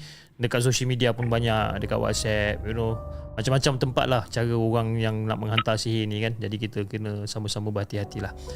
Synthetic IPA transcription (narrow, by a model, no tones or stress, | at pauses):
dəkat̪̚sosəlmidiapʊnbaɲak̚dəka̰ʔ̪wa̰t̪̚sɛp̚unomat͡ʃamːat͡ʃamt̪əmpa̰t̪̚laht͡ʃaɾəoɣaŋjaŋna̰ʔmə̃ŋɦant̪asiɦinĩkand͡ʒadikit̪əkənə̃saməsaməbəɦat̪iɦat̪ilah